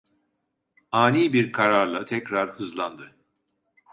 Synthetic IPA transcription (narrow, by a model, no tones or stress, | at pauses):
aːniːbiɾkʰaɾaɾlˠat̪ʰɛcɾaɾɯzlˠand̪ɯ